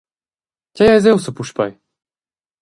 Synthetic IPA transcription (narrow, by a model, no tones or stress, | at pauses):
cʲajajzɛwsəpuʃpa̰j